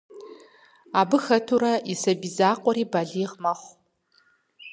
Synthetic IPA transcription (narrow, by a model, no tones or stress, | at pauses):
aːbɨxɐtʰuɾɐisɐbizaːqʷʼɔɾiːbaɮiːʁmɐχʷ